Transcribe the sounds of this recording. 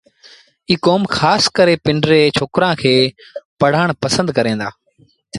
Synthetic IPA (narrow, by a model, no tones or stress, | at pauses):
iːkoːmxʰaːskəɾeːpɪɳɖɾeːt͡ʃʰoːkɾãːkʰeːpəɽ̤aːɳ̃pəsə̃nd̪kəɾẽːnd̪a̰ː